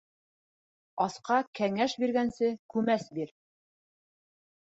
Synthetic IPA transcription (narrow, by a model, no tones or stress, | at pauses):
ɑsqɑkæŋæʃbiɾɡænsɘkʉmæsbiɾ